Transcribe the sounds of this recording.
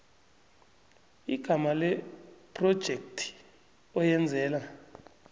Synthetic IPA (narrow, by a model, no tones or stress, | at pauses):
iɡ̥ʱamalɛpʰʼrɔd̥ʒ̥ʱektʰi̥ | ɔjɛnd͡zʱɛːla